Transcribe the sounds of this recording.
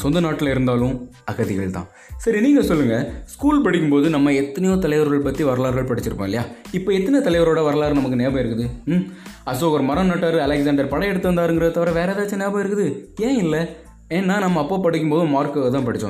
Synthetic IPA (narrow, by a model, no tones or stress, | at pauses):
sɔnd̪ɐnaːʈːɪlɪɾɯnd̪aːlɯ̃ | ɐɣɐðɪɣɐɭt̪ã̰ː | sɐɾiniːŋɡɐsɔlːɯŋɡɐskuːlpɐɽɪkːɯmpoːðɯnɐmːɐɛt̪ːɐnɐjõːt̪ɐlɐɪʋɐɾɣɐɭpɐt̪ːiʋɐɾɐlaːɾɣɐɭpɐɽɪt͡ʃːɪɾɯpːõːɪlːɐjaːɪpːoːɛt̪ːɐnet̪ɐlɐɪʋɐɾoːɽɐʋɐɾɐlaːɾɯnɐmɐkːɯneːbɐ̃ɪɾɯkːɯðɯ | ɐsoːɐɾɐmɐɾɐnɐːʈːaːɾɐlɛksɐːɳɖɐɾpɐɽɐjɛɽɯt̪ːɯʋɐnd̪aːɾɯŋɡɪɾɐðɯt̪ːɐʋɐɾɐʋeːɾɛðaːɐt͡ʃːɯ̃neːbɐ̃ːɪɾɯkːɯðɯẽːɪlːɛ | eːnːaːnɐmːɐːpːoːpɐɽɪkːɯmpoːðɯmaːɾkɐɐt̪ãːpɐɽɪt͡ʃːõ̰ː